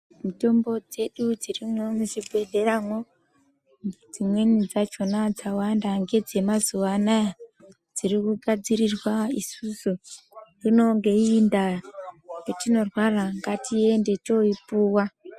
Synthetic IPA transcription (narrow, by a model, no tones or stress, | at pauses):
mito̞mbo̞d͡ze̞ɗud͡zirimomuʐibʱe̞de̞ramo | ŋed͡zimwe̞nid͡zat͡ʃo̞nad͡zawandaŋɡe̞d͡ze̞mazuʋanaja | d͡ziɾikuɡʱad͡zirirwaisusu | rino̞ŋɡe̞inda | jetino̞rwaraŋɡatʰie̞nde̞t͡ʃo̞ipuːwa